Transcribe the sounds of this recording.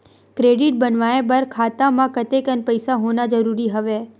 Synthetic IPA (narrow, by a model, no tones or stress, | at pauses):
kɾeɖɪʈ̚bənʋaẽbəɾkʰaːt̪amãkət̪ekənpəjsaɦonad͡ʒəɾuɾiɦəʋe